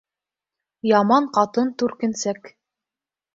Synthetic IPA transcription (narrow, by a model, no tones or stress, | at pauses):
jɑmɑɴqɑt̪ɤnt̪ʉɾkɘ̆nsæk